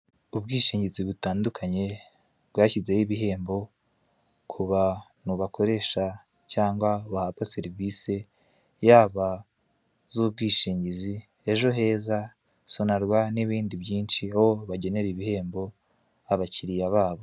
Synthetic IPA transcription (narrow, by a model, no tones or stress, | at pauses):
ubɡiːʃiːɲɟiziβutaːndukʰaɲe̞ | b̥ɡaːcize̞jiβiɦe̞ːmbo̞ | kʰuβanuβako̞ɾe̞ʃa | caːŋɡwaβahabɡase̞ɾivise̞ | jaːβa | zub̚ɡiːʃiːɲɟizi | e̞ʒo̞ɦe̞ːza | sonaɾɡwaniβiːndiβjiːnʃiahoβaɟe̞ne̞ɾiβihe̞ːmbo̞ | aβaciɾijaβaːβo̞